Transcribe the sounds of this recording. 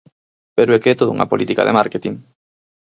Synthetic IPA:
peɾoekeɛt̪oðuŋa̰polʔit̪ika̰ðḛmaɾket̪iŋ

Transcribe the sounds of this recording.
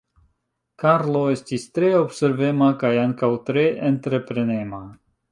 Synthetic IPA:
kaɾlo̞e̞stistɾe̞o̞bse̞ɾve̞makajaŋkawtɾe̞ʔentɾe̞pɾe̞ne̞ma

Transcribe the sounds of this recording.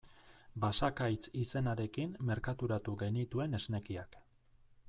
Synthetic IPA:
basakajt͡sise̞naɾe̞kimːe̞ɾkat̪uɾat̪uɣe̞nit̪ue̞ne̞zne̞kiak

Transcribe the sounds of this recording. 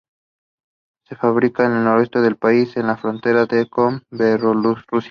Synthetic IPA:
se̞faβɾikaene̞lno̞ɾoe̞st̪e̞ðe̞lpaise̞nlafɾo̞nt̪e̞ɾaðekomberolusrusa

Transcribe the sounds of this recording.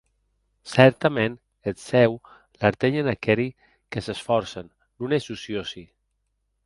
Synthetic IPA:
sɛɾt̪amen | esɛw | laɾt̪eʎenakɛɾi | kəsesfɔɾsənː | unesusiosi

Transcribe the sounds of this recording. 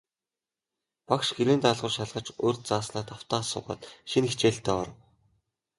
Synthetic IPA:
pakʃɡeɾeːnt̪aːɮʁʊ̆ːrʃaɮʁə̆t͡ɕoːrʲt̪̚t͡saːsnaːt̪aw̥t̪aːsə̆ɴɢʊ̰t̪ʃinixt͡ɕeːɬt̪ʰeːɔrə̆w

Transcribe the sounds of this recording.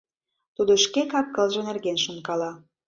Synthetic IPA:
t̪ud̪oʃkekɑkːɤ̆lʒɤ̆nerɣenʃunkɑlɑ

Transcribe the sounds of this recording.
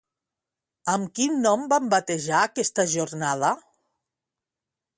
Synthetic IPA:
əmkinːɔmbambat̪eʒaːkɛst̪aʒornaðə

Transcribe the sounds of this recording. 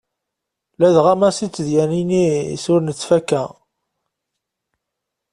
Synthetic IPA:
læðʁæmæsit͡sːðjæninḭsʊɾnət͡sːfækːæ

